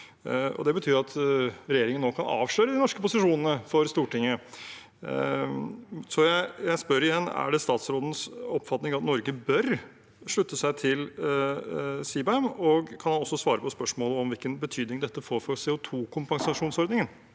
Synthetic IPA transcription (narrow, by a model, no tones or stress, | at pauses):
ɔ̰d̪ɛbət̪ʰyːɾɑt̪ɾɛjeːɾɪŋənːoːkʰɑnɑ̰ːʋʂɭœːɾəd̪ɪnɔʂkəpʊsɪʂuːnənəfɔɾst̪uːʈɪŋːə | sɔjæɪjæɪspœɾɪjɛnːæ̰ɖɛst̪ɑːt̪sɾoːd̪ən̩sɔpːfɑt̪nɪŋʋɑt̪nɔɾɡəbœɾ | ʂɭʉt̪ːəsæɪt̪ʰɪl | siːbɛɛmɔɡkʰɑnhɑnɔsːɔsʋɑːɾəpɔspœʂmoːləɔmʋɪlkənbət̪ʰyːd̪nɪŋd̪ɛt̪ːəfoːɾfɔɾsɛːʊt̪ʰuːkʰʊmpɑŋsɑʂuːnsɔɾd̪nɪŋən